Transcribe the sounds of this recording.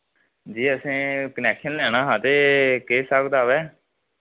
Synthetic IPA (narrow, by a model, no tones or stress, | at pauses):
d͡ʒiːəsĩːkənɛːkʃənlɛːɽ̃aːɦãːt̪eːkeːsaːkd̪aːʋɛː